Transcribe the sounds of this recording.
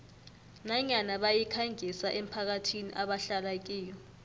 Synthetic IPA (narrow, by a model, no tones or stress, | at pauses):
naɲanaɓajikʰaŋʱisaʔem̩pʰak̬atʰiniʔaɓaɬalak̬iːjɔ